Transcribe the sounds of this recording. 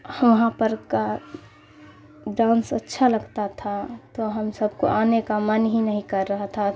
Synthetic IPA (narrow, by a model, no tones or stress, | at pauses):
ʋɐɦãpəɾka | ɖãːnsətːʃʰaləɡt̪at̪ʰat̪oɦəmsəb̚ʱko̰ʔaːnekamənɦinəɦĩkəɾːəɦt̪ʰa